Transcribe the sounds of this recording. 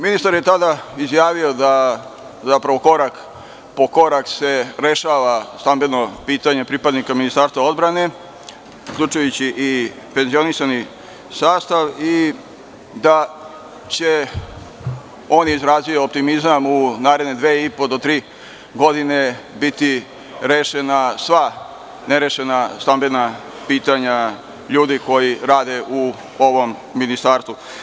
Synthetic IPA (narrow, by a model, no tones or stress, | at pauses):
minist̪aɾje̞t̪ad̪aizjaːʋio̞d̪a | zapɾaʋo̞ko̞ɾak | po̞ko̞ɾakseɾe̞ʃaːʋast̪ambed̪nopiːt̪aɲe̞pɾipad̪nikaminist̪aːɾst̪ʋao̞d̪bɾane̞ | ukʎʲut͡ʃujut͡ɕiʔi | pe̞nzio̞nisani | saːst̪aʋi | d̪a | t͡ɕe̞ | o̞nizɾaːzijoop̚t̪imizamunaːɾe̞d̪ned̪ʋeːipo̞d̪o̞t̪ɾiː | ɡo̞d̪ine̞ | bit̪i | ɾeʃenasʋa | neɾeʃenast̪ambe̞na | piːt̪aɲa | ʎuːd̪iko̞jiɾaːd̪e̞ʔu | o̞ʋo̞mː | inist̪aːɾst̪ʋu